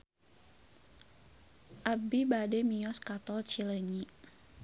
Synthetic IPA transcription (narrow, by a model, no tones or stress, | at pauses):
ʔabibademijɔskat̪ɔlt͡ʃiləɲiʔ